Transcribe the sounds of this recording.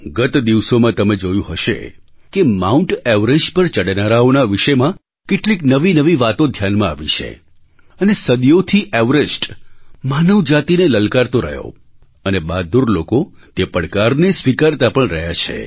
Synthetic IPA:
ɡət̪d̪iʋsomãt̪əmed͡ʒojũɦəʃḛkemauɳʈɛʋɾed͡ʒpəɾt͡ʃəɽnaɾaonaʋiʃemã | keʈliknəʋinəʋiʋat̪od̪ʱjanmãa̰ʋḭt͡ʃʰḛ | ənesəd̪jot̪ʰiʔɛʋɾesʈmanəʋd͡ʒat̪ineləlkaɾt̪oɾə̰ɦjo̰ | ənebad̪uɾlokot̪epəɽkaɾnesʋikaɾt̪apəɳɾəɦjat͡ʃʰḛ

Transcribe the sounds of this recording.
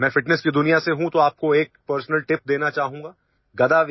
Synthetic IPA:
mɛ̃ːfɪʈnɛskid̪ʊnijaseɦũt̪oaːp̚koeːk̚pəɾsnəlʈɪp̚d̪eːnat͡ʃaːɦũːŋɡaː | ɡɐd̪aːʋ

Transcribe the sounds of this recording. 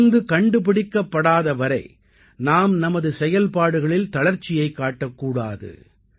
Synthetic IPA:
nd̪ɯkɐɳɖɯp̬ɪɽɪkːɐpːɐɽaːðɐʋɐɾɐɪ | naːmnɐmɐðɯsɛjɐlpaːɽɯɣɐɭɪlt̪ɐɭɐɾt͡ʃːɪjɐɪkːaːʈːɐkːuːɽa̰ːðɯ̰

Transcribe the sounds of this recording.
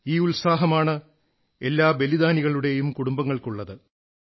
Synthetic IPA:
iːulsaːɦɐmaːɳɨ | e̞lːaːbe̞liðaːniɣɐɭuɽe̞jumkuɽumbɐŋːɐɭkuɭːɐðɨ

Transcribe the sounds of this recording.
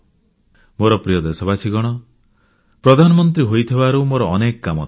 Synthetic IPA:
moɾɔpɾijɔd̪esɔbasiɡɔɽ̃ɔ | pɾɔd̪ʱanɔmɔnt̪ɾiɦojt̪ʰibaɾumoɾɔːnekɔkamɔ

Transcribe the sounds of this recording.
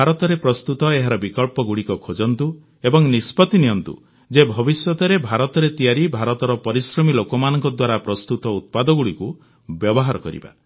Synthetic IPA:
aɾɔt̪ɔɾepɾɔst̪ut̪ɔeɦaɾɔbikɔlpɔɡuɽikɔkʰod͡ʒɔnt̪u | ebɔŋnispɔt̪inijɔnt̪ṵ | d͡ʒebʱɔbisjɔt̪ɔɾebʱaɾɔt̪ɔɾet̪ijaɾibʱaɾɔt̪ɔɾɔpɔɾisɾɔmilokɔmanɔŋkɔd̪waɾapɾɔst̪ut̪ɔut̪̚pad̪ɔɡuɽiku | bjɔbɔɦaɾɔkɔ̰ɾḭba̰

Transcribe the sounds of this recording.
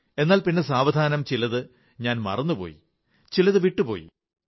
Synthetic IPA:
e̞nːaːlpinːe̞saːʋɐd̪ʱaːnɐmt͡ɕilɐðɨ | ɲaːnmɐ̰rɐnːupo̰ːjḭ | t͡ɕilɐðɨʋiʈːupo̞̰ːjḭ

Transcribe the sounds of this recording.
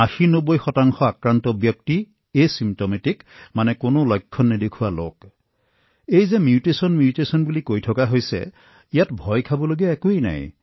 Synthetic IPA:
axinobojxɔtaŋxɔakɹant̪ɔbjɔk̚ti | esimtometikmanɛkonolɔjkʰːɔnːid̪ekʰualo̰k | ejzemjutesɔnmjutesɔnbulikojtʰɔkaɦojsḛ | ijatbʱɔjkʰabɔloɡiaɛkuejna̰j

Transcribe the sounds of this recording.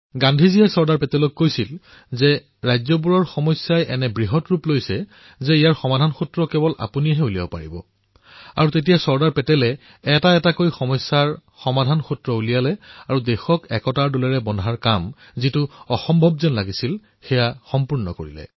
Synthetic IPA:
ɡãndʱizijasɔɹdaɹpɛtɛlɔkːojsil | zɛ | ɹajzɔp̬uɹɔɹxɔmɔsjajʔɛnɛbɹiɦɔtɹuplojsɛ | zɛijaɹxɔmadʱanxutɹɔkɛbɔlʔa̰punijaɦɛulija̰bɔpa̰ɹḭbɔ̰ | a̰ɹutet̬ijasɔɹdaɹpɛtɛlɛː | taɛtakojxɔmɔsːaɹxɔmadʱanxutɹɔulijalɛaɹudɛxɔkɛkɔtaɹdulɛɹɛbɔndʱaɹkam | zitʊɔxɔmbʱɔbzɛnlaɡisil | xɛjaxɔmpuɹnɔ̰ko̰ɹḭlɛ̰

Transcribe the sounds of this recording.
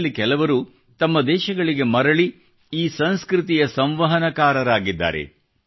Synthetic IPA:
lːikɛlɐʋɐɾu | t̪ɐmːɐd̪ɛːʃɐɡɐɭiɡe̞mɐɾɐɭi | iːsɐnskɾit̪̬ijɐsɐmʋɐɦɐnɐkaːɾɐɾaːɡid̪ːa̰ːɾḛ

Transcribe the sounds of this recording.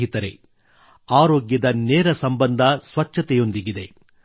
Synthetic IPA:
ɦit̪ɐɾe̞̰ | aːɾoːɡjɐd̪ɐnɛːɾɐsɐmbɐnd̪ʱɐsʋɐt͡ʃːɐt̪ɛjo̞nd̪iɡid̪e̞

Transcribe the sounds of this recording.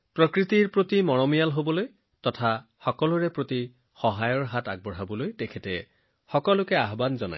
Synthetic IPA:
pɹɔkɹitiɹpɹotimɔɹɔmijalɦobɔloj | tɔtʰaxɔkɔlʊɹɛpɹoti | xɔɦajɔɹɦataɡ̚bɔɹɦabɔlojtɛkʰɛtɛ | xɔkɔlʊkɛaɦbanzɔna̰j

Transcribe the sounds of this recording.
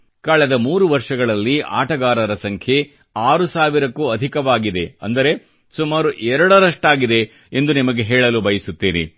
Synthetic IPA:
kaːɭɛd̪ɐmuːɾuʋɐɾʂɐɡɐɭɐlːia̰ːʈɐɡaːɾɐɾɐsɐŋkʰje̞ | aːɾusaːʋiɾɐkːuɐd̪ʱikɐʋaːɡid̪e̞ɐ̰nd̪ɐɾe̞ | sumaːɾuʔɛɾɐɽɐɾɐʂʈaːɡid̪e̞ | end̪unimɐɡeɦɛːɭɐlubɐjisut̪ːeːnḛ

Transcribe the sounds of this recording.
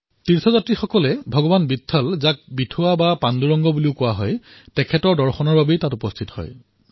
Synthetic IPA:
tiɹsʰɔzatɹixɔkɔlɛbʱɔɡɔbanbitʰːɔlzak̚bitʰʊwabapanduɹɔŋɡɔbuliʊkʊwaɦɔj | tɛkʰɛtɔɹdɔɹxɔnɔɹbabɛjtatupɔstʰithɔ̰j

